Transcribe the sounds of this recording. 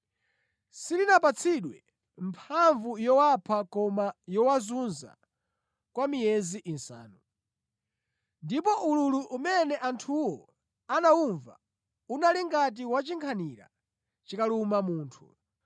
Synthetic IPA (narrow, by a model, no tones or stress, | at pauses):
silinapat͡sʰiɗwɛ | mpʰaɱvujɔwapʰakɔmajɔwazunza̰ | kwamijɛziʔinsa̰ːnu | ndipɔʔululuʔumɛnɛʔantʰuwɔ | anauɱva̰ | unaliŋɡat̬iwat͡ʃiŋkʰaniɾa̰ | t͡ʃikalumamuːntʰu